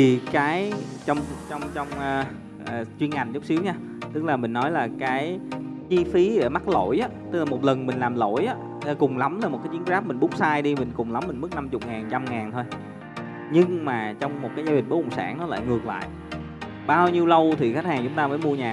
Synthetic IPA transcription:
i˨˩kaː˨˦jt͡ɕɔ˧wŋ͡mt͡ɕɔ˧wŋ͡mt͡ɕɔ˧wŋ͡mʔəː˧ | ʔːt͡ɕwi˧ənŋa˨˩ŋ̟zʊ˦˥k͡p̚si˨˦əwɲaː˧ | t̪ɨ˦˥k̚laː˨˩mï˨˩ŋ̟nɔ˨˦jlaː˨˩kaː˨˦j | t͡ɕi˧fi˨˦ɗe˧˩ma˦˥t̚lo̰˧˩jʔaː˨˦t̪ɨ˦˥k̚laː˨˩mo˨˩t̚lə˨˩nmï˨˩ŋ̟laː˨˩mlo̰˧˩jʔaː˨˦˧ | kʊ˨˩ŋ͡mla˨˦mlaː˨˩m˨˩t̚kaː˨˦t͡ɕi˨˦ə˦nzaː˦˥p̚mï˨˩ŋ̟ɓʊ˦˥k͡p̚saː˧jɗi˧mï̟˨˩kʊ˨˩ŋ͡mla˨˦mːï˨˩ŋ̟mɨ˦˥k̚na˧mt͡ɕʊ˨˩k͡p̚ŋaː˨˩nt͡ɕa˧mŋaː˨˩nt̪ʰo˧j | ɲɨ˧ŋmaː˨˩t͡ɕɔ˧wŋ͡mmo˨˩kaː˨˦jzaː˧˩i̟˨˩ɓo˨˦kə̰˧˩ŋ͡msaː˧˩ŋnɔ˨˦la̰ː˧˨jŋɨ˨˩ək̚la̰ː˧˨jʔ | ɓaː˧wɲi˧əwlə˧wt̪ʰi˨˩xk̚haː˨˩ŋt͡ɕʊ˨˦ŋ͡mt̪aː˧məː˨˦jmu˧əɲaː˨˩

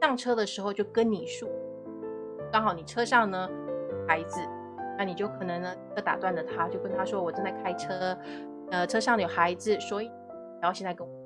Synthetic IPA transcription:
ɑ˥˩ŋʈ͡ʂʰɤ˥d̪ə˨ʂɻ̩˧˥xo˧ʊt͡ɕjo˥˩ʊkə˥nni˨˩ʂu˥˩ | kɑ˥ŋxɑ˧˩ʊni˨˩ʈ͡ʂʰɤ˥ʂɑ˥˩ŋnə˩˨˩xa˧˥ɪd͡zɹ̩˧ | na˥˩ni˨˩t͡ɕjo˥˩ʊkʰɤ˨˩nɤ˧˥ŋ˧˥ə˧˩t̪a̰˨˩t̪wa˥˩nlə˩t̪ʰa˥t͡ɕjo˥˧ʊkwə˥nt̪ʰa˥ʂwɔ˥wɔ˨˩ʈ͡ʂə˥nt͡sa˥˩ɪkʰa˥ɪʈ͡ʂʰɤ˥ | ə˧ʈ͡ʂʰɤ˥ʂɑ˥˩ŋ˨jo˨˩xa˧˥ɪd͡zɹ̩˧˨swɔ˧˥i˨˩˨ | jɕjɛ˥˧nt͡sa˥˩ɪkə˥n˨

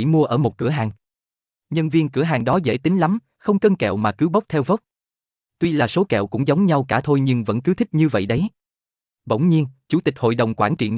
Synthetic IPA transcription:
i˧˩mu˧əʔəː˧˩mo˨˩t̚kɨ˧˩əɦaː˨˩ŋ | ɲə˧nvi˧ənkɨ˧˩əɦaː˨˩ŋɗɔ˨˦zḛ˧˩t̪ï˨˦ŋ̟la˨˦m | xə˧wŋ͡mkə˧nkɛ̰˧˨wmaː˨˩kɨ˨˦wɓə˦˥k͡p̚t̪ʰɛ˧wvə˦˥k͡p̚ | t̪wi˧laː˨˩so˨˦kɛ̰˧˨wkʊ̰˧˥ŋ͡mzə˨˦wŋ͡mɲa˧wkaː˧˩t̪ʰo˧jɲɨ˧ŋvə̰˧˥nkɨ˨˦t̪ʰi˦˥k̚ɲɨ˧və̰˧˨jɗə˨˦j | ɓə˧˩wŋ͡mɲi˧ənt͡ɕu˧˩t̪i˨˩k̚ho̰˧˨jɗə˨˩wŋ͡mkwaː˧˩nt͡ɕḭ˧˨əŋ

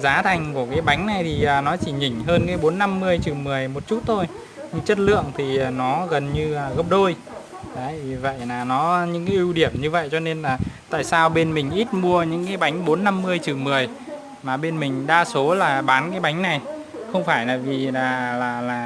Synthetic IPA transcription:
zaː˨˦t̪ʰa˨˩jŋ̟ku˧˩əkaː˨˦jɓa˨˦jŋ̟na˨˩jt̪ʰi˨˩ʔəː˨˩nɔ˨˦t͡ɕi˧˩ɲï˨˧˩ŋ̟ɦəː˧nkaː˨˦jɓo˨˦nːa˧mːɨ˧əjt͡ɕɨ˨˩mɨ˨˩əjmo˨˩t̚t͡ɕu˦˥t̚t̪ʰo˧j | ɲɨ˧ŋt͡ɕə˦˥t̚lɨ̰˧˨əŋt̪ʰi˨˩˨nɔ˨˦ɣə˨˩nɲɨ˧əː˨˩ɣə˦˥p̚ɗo˧j | ɗəː˨˦jvi˨˩və̰˧˨jlaː˨˩nɔ˨˦ɲɨ̰˧˥ŋkaː˨˦ʔi˧wɗi˧˩əmɲɨ˧və̰˧˨jt͡ɕɔ˧ne˧nlaː˨˩t̪a̰ː˧˨jsaː˧wɓe˧nmï˨˩ŋ̟ʔi˦˥t̚mu˧əɲɨ̰˧˥ŋkaː˨˦jɓa˨˦jŋ̟ɓo˨˦nːa˧mːɨ˧əjt͡ɕɨ˨˩mɨ˨˩əj | maː˨˩ɓe˧nmï˨˩ŋ̟ɗaː˧so˨˦laː˨˩ɓaː˨˦nkaː˨˦jɓa˨˦jŋ̟na˨˩j | xə˧wŋ͡mfaː˧˩jlaː˨˩vi˨˩aː˨˩laː˨˩laː˨˩

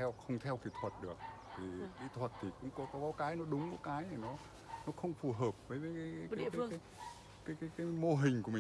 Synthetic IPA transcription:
ɛ˧wxə˧wŋ͡mt̪ʰɛ˧wki˨˧˩t̪ʰwə˨˩t̚ɗɨ˨˩ək̚ | t̪ʰi˨˩ɗi˧t̪ʰwə˨˩t̚t̪ʰi˨˩kʊ̰˧˥ŋ͡mkɔ˨˦kɔ˨˦kɔ˨˦kaː˨˦jnɔ˨˦ɗʊ˨˦ŋ͡mkɔ˨˦kaː˨˦jnɛ˨˩nɔ˨˦ | nɔ˨˦xə˧wŋ͡mfu˨˩ɦəː˨˩p̚vəː˨˦jvəː˨˦jkaː˨˦jːkaː˨˦˧kːŋ˨˦j | kaː˨˦jkaː˨˦jkaː˨˦mo˧ɦï˨˩ŋ̟kəmï˨˩

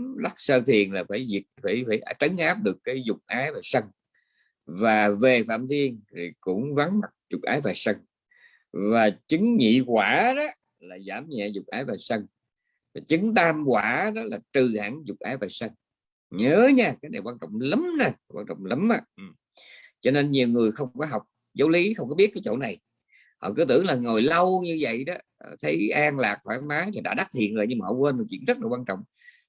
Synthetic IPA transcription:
la˦˥k̚səː˧t̪ʰi˨˩ənlaː˨˩faː˧˩jzi˨˩ək̚fa˧˩jfaː˧˩jʔa˧˦t͡ɕə˨˦ŋʔaː˦˥p̚ɗɨ˨˩əkːaː˨˦jzʊ˨˩k͡p̚ʔaː˨˦jvaː˨˩sə˧ŋ | vaː˨˩ve˨˩fa̰ː˧˨mt̪i˧ənt̪ʰi˨˩kʊ̰˧˥ŋ͡mva˨˦nma˨˩k̚zʊ˨˩k͡p̚ʔaː˨˦jvaː˨˩sə˧ŋ | vaː˨˩t͡ɕɨ˨˦ŋɲḭ˧˨kwaː˧˩˨ɗɔ˨˦ | laː˨˩zaː˧˩mɲɛ̰˧˨zʊ˨˩k͡p̚ʔaː˨˦jvaː˨˩sə˧n | vaː˨˩t͡ɕɨ˨˦ŋt̪aː˧mkwaː˧˩ɗɔ˨˦laː˨˩t͡ɕɨ˨˩ha̰ː˧˩ŋzʊ˨˩k͡p̚ʔaː˨˦jvaː˨˩sə˧ŋ | ɲəː˨˦ɲaː˧kaː˨˦jna˨˩jwaː˧nt͡ɕɔ̰˧˨wŋ͡mlə˨˦mnaː˧˩waː˧nt͡ɕɔ̰˧˨wŋ͡mlə˨˦mʔaː˧˦ʔɨ˨˩ | t͡ɕɔ˧ne˧nɲi˨˩əwŋɨ˨˩əjxə˧wŋ͡mkɔː˨˦jɦa˨˩wk͡p̚ | zə˨˦wli˨˦xə˧wŋ͡mkɔ˨˦ɓi˦˥t̚kaː˨˦t͡ɕo̰˧˥na˨˩j | hɔ̰˧˨kɨ˨˦t̪ɨ̰˧˨əŋlaː˨˩ŋo˨˩jlə˧wɲɨ˧və̰˧˨jɗɔ˨˦˨t̪ʰə˨˦jʔaː˧ŋlaː˨˩k̚t̪ʰaː˧˩nmaː˨˦laː˨˩ɗa̰ː˧˥ɗa˦˥t̪ʰḭ˧˨ənzo̰ː˧˩ɲɨ˧ma˨˧wkwəː˧nmɔ˨˩t͡ɕwḭ˧˨ənzə˦˥t̚laː˨˩waː˧nt͡ɕɔ̰˧˨wŋ͡m

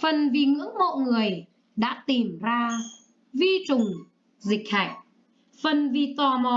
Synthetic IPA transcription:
fə˨˩nvi˨˩ŋɨ̰˧˥əŋmo̰˧˨ŋɨ˨˩əj | ɗa̰ː˧˥t̪i˨˩mzaː˧ | vi˧t͡ɕʊ˨˩ŋ͡m | zï˨˩k̟̚haː˧˩j̚ | fə˨˩nvi˨˩t̪waː˨˩mɔ˨˩

